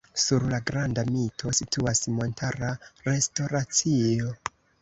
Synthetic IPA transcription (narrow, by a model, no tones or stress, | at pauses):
suɾlaɡɾandamitʰo̞sitʰuasmo̞ntʰaɾaɾe̞sto̞ɾat͡sio̞